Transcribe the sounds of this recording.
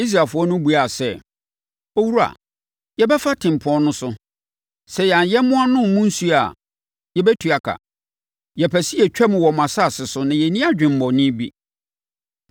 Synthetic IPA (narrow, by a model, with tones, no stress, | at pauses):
i˦s̬ɾaː˨fʊ˦ɔ˦nʊ̃˦bu˨a˨sɛ˦˨ | o˦wu˦ɾu˦a̰˨ | jɛ˦bɛ˦fa˦tʰɪ̃˨m̩˨pʰɔ̃˦nʊ̃˦sʊ˦ | sɛ˨jã˨jɛ˦mʊ̃˦a˦nʊ̃˦m˨mʊ̃˦n̩˦su˦a˨ | jɛ˨bɛ˦tʰu˨a˨kʰa̰˨ | jɛ˨pʰɛ˨si˦ɛ˨t͡ɕᶣɛ˦mʊ̃˨wɔ˨m˨ã˨sa˦˨sɪ˨sʊ˦nã˨jɛ˨nĩ˦a˦d͡ʑᶣɪ̃˨m̩˨mɔ̃˨nɪ̃˦bi˦